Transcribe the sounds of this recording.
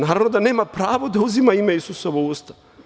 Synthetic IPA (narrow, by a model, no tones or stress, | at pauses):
naːɾaʋnod̪ane̞ːmapɾaːʋo̞d̪auzimaimeisusoʋouːst̪ḁ